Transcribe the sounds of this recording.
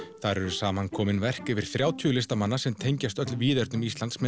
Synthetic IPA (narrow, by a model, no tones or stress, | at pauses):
θaɾɛɾʏsaːmankʰɔːmɪnvɛr̥kɛvɪɾ̥θɾjaːwt̪ʰʏːʏlɪst̪amanːasɛmt̪ʰejɲcast̪œt̪lviːðɛɾt̪nʏmist̪lant̪smɛ